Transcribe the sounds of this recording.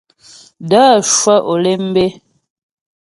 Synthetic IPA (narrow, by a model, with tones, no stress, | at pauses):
daː˦˨ʃwa˦ʔo˨le˦m̩˦be˦